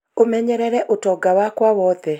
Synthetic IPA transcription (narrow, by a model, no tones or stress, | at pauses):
omɛɲɛɾɛɾɛʔotɔɡawakwawɔðɛ